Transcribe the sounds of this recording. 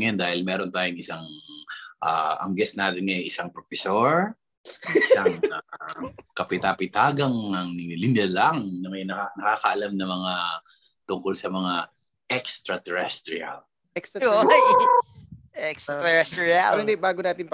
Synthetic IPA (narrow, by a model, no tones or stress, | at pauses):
jand̪aːhɪlmɛːɾont̪aːjʊŋɪsaŋ | ʔa̰ʔɐ̰ŋɡɛsnaːt̪ɪnŋɐjʔɪsaŋpɾofɛsoɹ | ɪsaŋa | kɐpɪt̪apɪt̪aːɡɐŋɐŋnɪlɪndɛlaŋnɐmɐjnɐanɐkaːkɐʔɐlamnɐmɐŋa | t̪ʊŋkolsɐmɐŋa | ʔɛkst̪ɾɐt̪ɛɹɛst̪ɾɪa̰l | kso | ɛkst̪ɛɛst̪ɾialnd̪ɛbaːɡonaːt̪ɪnp